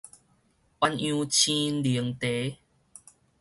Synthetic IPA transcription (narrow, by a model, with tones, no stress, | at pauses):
ʔwa˧njũ˧˦t͡ɕʰĩ˦nli˨˦əŋt̪e˨˦